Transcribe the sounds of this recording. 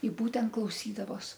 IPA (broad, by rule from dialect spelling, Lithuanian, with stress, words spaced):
ɪ ˈbuːtʲɛnt klˠɐʊˈsʲiːdɐʋoːs